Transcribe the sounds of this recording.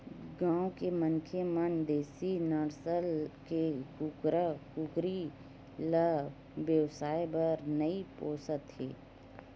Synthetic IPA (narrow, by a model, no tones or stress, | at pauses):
ɡãːwkemənkʰjəmənd̪eːsinəɾsəlkekukɾəkukɾi | lə | ʋjəʋsaːjbəɾnəipoːsət̪ɦḛː